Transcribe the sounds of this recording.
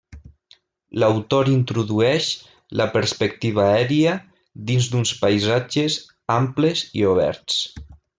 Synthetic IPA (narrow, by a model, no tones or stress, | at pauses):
lawt̪oɾint̪ɾuðuɛʃ | ləpəɾspek̚t̪iβ̞aɛɾiə | d̪inzd̪unspajzad͡ʒez | amplezḭoβ̞ɛ̰ɾt͡s